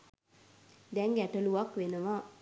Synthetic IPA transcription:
d̪ɛŋɡɛʈəluakʋenəʋa

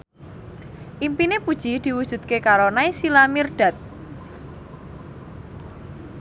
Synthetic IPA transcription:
ʔimpinepud̥ʒ̥i̤d̪̥i̤wud̥ʒ̥ṳd̪̥̚kekaɾonaisilamirɖ̥a̤t̪̚

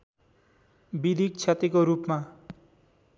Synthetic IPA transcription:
bilik̚t͡sʰat̪ikoɾupma

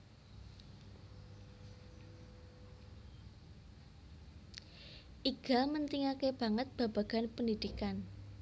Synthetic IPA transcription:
ʔiɡ̥amənt̪iŋakeb̥ä̤ŋət̪̚b̥a̤b̥a̤ɡ̥a̤npəndid̪̥ikan

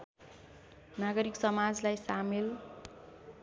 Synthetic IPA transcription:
naɡʌɾiksʌmad͡zlajsamel

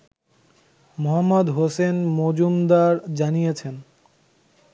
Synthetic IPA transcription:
moɦamːod̪ɦosenmod͡ʑumd̪aɾd͡ʑanijet͡ɕʰen

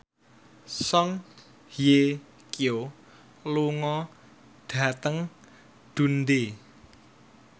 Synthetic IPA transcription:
sɔŋ | hje | kio | luŋɔ | ɖ̥ä̤t̪əŋ | d̪̥ṳnd̪e

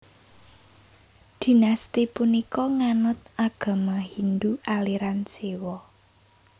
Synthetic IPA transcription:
d̪̥i̤nast̪ipunikɔŋanʊt̪̚aɡ̥a̤maɦind̪uʔaliɾansewɔ

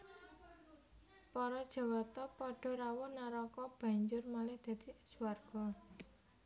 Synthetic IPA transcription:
pɔɾɔd̥ʒ̥a̤wat̪ɔpɔɖ̥ɔ̤ɾawɔnaɾɔkɔb̥a̤ɲd͡ʒʊrmalɪhd̪̥ä̤d̪̥i̥d͡ʒ̥uwarɡ̥ɔ

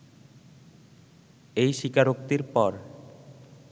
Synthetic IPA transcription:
ejʃikaɾok̚t̪iɾpɔɾ

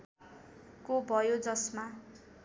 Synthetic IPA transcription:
kobʱʌjod͡zʌsma

